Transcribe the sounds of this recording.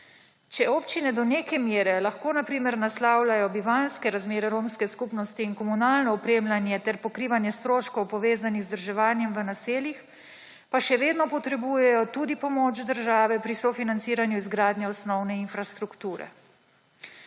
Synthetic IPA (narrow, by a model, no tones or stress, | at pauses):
t͡ʃɛoːpt͡ʃinɛd̪ɔneːkɛmjeːɾɛlaxkoːnapɾiːmɛɾnaslaːwlajɔbiʋanskɛɾazmeːɾɛɾoːmskɛskupnɔst̪iːnkɔmunaːlnɔɔpɾeːmlanjɛt̪ɛɾpɔkɾiːʋanjɛst̪ɾoːʃkɔwpɔʋeːzaniɣzd̪əɾʒɛʋaːnjɛmʋənaseːlix | paʃɛʋeːd̪nɔpɔt̪ɾɛbuːjɛjɔt̪uːd̪ipɔmoːt͡ʃd̪əɾʒaːʋɛpɾisɔfinant̪siːɾanjuizɡɾaːd̪nɛɔsnɔwnɛinfɾast̪ɾukt̪uːɾɛ̰